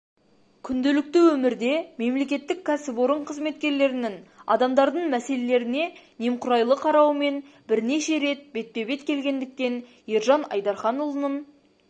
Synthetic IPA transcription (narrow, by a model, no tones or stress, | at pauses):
kʲʰʏnd̪elɪk̚t̪ɪwɵmɪɾd̪e̞me̞mle̞kʲe̞t̪ːɪkʲʰːæsɪbo̞ɾəɴqʰəzme̞t̪̚kʲe̞ɾle̞ɾɪnɪŋɑ̰d̪ɑmd̪ɑɾd̪əɴmæse̞le̞le̞ɾɪne̞nemqʰʊɾɑjlˠəqʰɑɾɑwme̞n | bɪɾne̞ʃe̞ɾe̞t̪̚be̞t̪̚pe̞be̞t̪kʲʰe̞lɡʲe̞nd̪ɪk̚t̪e̞n | jeɾʒɑnɑ̰jd̪ɑɾχɑnʊlˠənən